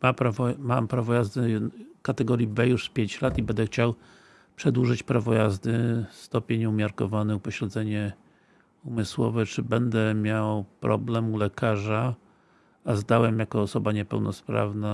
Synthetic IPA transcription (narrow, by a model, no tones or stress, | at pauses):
mapɾavɔmampɾavɔjazd̪ɘkat̪ɛɡɔɾjibɛjuʂspʲjeɲt͡ɕlat̪ibɛnd̪ɛxt͡ɕaw | pʂɛd̪wuʐɘt͡ɕpɾavɔjazd̪ɘst̪ɔpʲjeɲumʲjaɾkɔvanɛupɔɕlɛd̪zɛɲɛ | umɘswɔ̰vɛt͡ʂɘbɛnd̪ɛmʲjawpɾɔ̰blɛmulɛkʰaʐa | azd̪awɛmjakɔːsɔbaɲɛpɛ̰wnɔspɾa̰vna